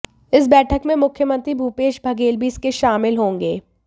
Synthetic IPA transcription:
ɪs̬bɛːʈʰəkmẽmʊkʰjəmə̃nt̪ɾibʱuːpeːʃbʱɐɡeːlbiːskeʃaːmɪlɦõːŋɡeː

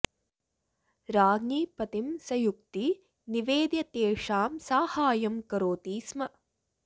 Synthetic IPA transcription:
ɾaːɡniːpɐt̪imsɐjuk̚t̪i | niʋeːd̪jɐt̪eːʂaːmsaːhaːjɐmkɐɾoːt̪iːsmɐ

